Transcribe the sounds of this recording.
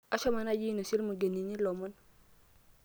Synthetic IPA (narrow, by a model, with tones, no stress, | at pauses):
a˦ʃɔ˦ma˨na˦ji˦no˨si˦lmu˨ɡe˨ni˨ɲi˦lɔ˨mɔ˦n